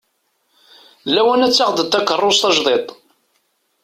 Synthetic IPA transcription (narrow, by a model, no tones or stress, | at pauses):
læwænæt͡sːɑʁd̪ət̪ːækːərˤːost̪ɑʒðˤet̪ˤ